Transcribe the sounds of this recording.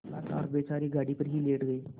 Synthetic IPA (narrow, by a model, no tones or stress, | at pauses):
a̰t̪a̰ːɾbeːt͡ʃaɾiːɡʱaɽiːpəɾɦiːleːʈɡəe